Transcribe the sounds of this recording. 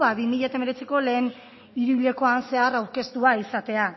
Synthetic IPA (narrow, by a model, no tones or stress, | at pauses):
βaβimiʎat̪ambeɾe̞t͡siko̞le̞ːn | iɾuβiʎe̞ko̞anse̞arawɾke̞st̪uaisat̪e̞a